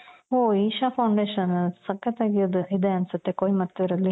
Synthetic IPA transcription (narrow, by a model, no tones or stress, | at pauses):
ɦoiːʃapʰɐwɳɖeːʃɐnsɐkːɐt̪aːɡijod̪uid̪eɐnsut̪ːe̞koːjimɐt̪ːuiɾɐlːi